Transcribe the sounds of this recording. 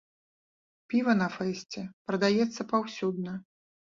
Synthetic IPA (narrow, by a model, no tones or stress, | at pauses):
pʲivɐnɐfɛsʲt͡sʲɛpɾɐd̪ajɛt̪sːɐpawsʲud̪̚nɐ